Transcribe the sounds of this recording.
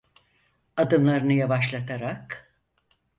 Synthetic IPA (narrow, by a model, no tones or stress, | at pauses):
ad̪ɯmlˠaɾɯnɯjavaʃlˠat̪ʰaɾak